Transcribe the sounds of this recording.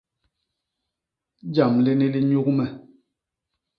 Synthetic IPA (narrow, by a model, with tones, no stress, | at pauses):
d͡ʒa˨mli˦ni˦li˦ɲu˦k̚mɛ˨